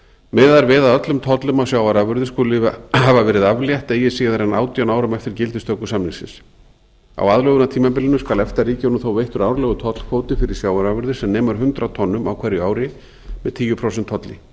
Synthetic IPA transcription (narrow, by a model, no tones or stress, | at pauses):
mɛːðaɾvɛːðaðœt̪lʏmt̪ʰɔt̪lʏmawsjaːwvaɾavʏɾðɪskulɪhavavɛːɾɪðavljaht̪eːjɪsiːɣðaɾɛnaːwt̪janaːwɾʏmɛft̪ɪɾ̥cɪlt̪ɪst̪œkːʏsamnɪsɪ̰ns | a̰waðlœɣʏnat̪ʰiːmap̬ɪlɪnːʏskaːlɛft̪ariːcanumθowvejht̪ʏɾawɾlɛɣʏt̪ʰɔt̪l̥kʰvoːwt̪ɪfɪɾɪ̥sjaːwvaɾavʏɾðɪ̥sɛmnɛːmaɾɦʏnt̪ɾat̪ʰɔnːʏmawkʰvɛɾjʏaːwɾɪ | mɛ̰ðt̪ʰiːjʏpʰɾowsɛnt̪ʰːɔt̪lɪ̰